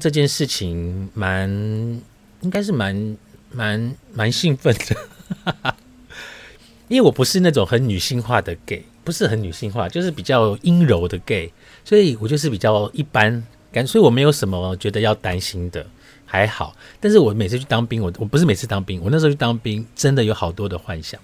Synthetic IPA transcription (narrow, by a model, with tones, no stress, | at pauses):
ʈ͡ʂɤ˥˧t͡ɕjɛ˥˧nʂɻ̩˥˩t͡ɕʰi˨˦ŋma˧˦n | i˥ŋka˥ɪʂ̬ɻ̩˥˩ma˧˦nma˧˦nma˧˦nɕi˥˧ŋfə˥˩nd̪̥ə˩ | i˥nwe˥˩wɔ˨˩pu˧˥ʂɻ̩˥˧na˥˩ʈ͡ʂʊ˨˩ŋxə˧˦nny˨˩ɕi˥˧ŋxwa˥˧d̪ə˩ke˥˩ɪpu˧˦˥ʂɻ̩˥˩xə˨˦nny˨˩ɕi˥˧ŋxwa̰˥˧t͡ɕjo˥˧ʊʂɻ̩˥˩pi˨˩t͡ɕjɑ˥˨ʊi˥ŋɻo˧˦ʊd̪ə˨ke˥˩ɪ | swɔ˧˥i˨˩wɔ˨˩t͡ɕjʂ̬ɻ̩˥˩pi˨˩t͡ɕjɑ˥˧ʊi˥˩pa˦n | ka˥˨nsɔ˧˥i˨wɔ˨˩me˧˥ɪjo˧˥ʊʂə˧˦nmə˦t͡ɕɥɛ˧˥d̪ə˧jɑ˥˩ʊt̪a˦˥nɕi˥nd̪ə̰˨˩ | xa˧˥ɪxɑ˨˩ʊt̪a˥˧nʂ̬ɻ̩˥˩wɔ˨˩˦me˨ɪt͡s̩ʰ˥˧˩t͡ɕʰt̪ɑ˥ŋpi˥ŋwɔ˨˩wɔ˨˩pu˧˥ʂɻ̩˥˩me˨˩t͡s̩ʰ˥˩t̪ɑ˥ŋpi˥˦ŋwn˥˩ʂo˧˥t͡ɕʰt̪ɑ˥ŋpi˥nʈ͡ʂə˦nd̪ə˨jo˧˥ʊxɑ˨˩ʊt̪wɔ˥d̪ə˨xwa˥˧nɕjɑ̰˥˩˦ŋ